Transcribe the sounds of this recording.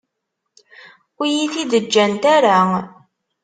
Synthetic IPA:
ujiθiðəd͡ʒːænt̪æɾa

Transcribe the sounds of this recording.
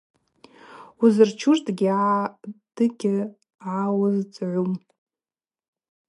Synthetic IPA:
uzɨrt͡ʃʰurtʼɡʲiʕad̥ɨɡʲɪ | ʕawʊzt͡sʼʕʷum

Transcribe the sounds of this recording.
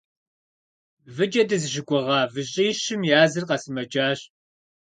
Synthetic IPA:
vɨd͡ʒʼɐdɐzɨʒɪɡʷʼɔʁɑːvɨɕʼiːɕɪmjaːzɨrqɐsɨmɐd͡ʒaːɕ

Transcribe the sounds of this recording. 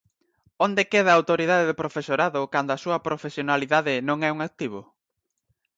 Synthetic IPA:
ond̪ekeðɐaːwt̪oɾið̞aðeðɪpɾofesoɾaðʊkand̪oasuɐpɾofesjonaliðaðɪnõŋɛuŋak̚t̪iβ̞o

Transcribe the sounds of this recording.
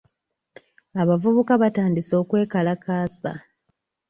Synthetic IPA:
aβavuβukaβataːndiso̞ːkwe̞ːkalakaːsa̰

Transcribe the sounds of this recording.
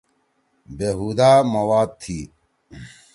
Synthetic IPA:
beːɦuːd̪aːmɐwaːd̪̚t̪ʰiː

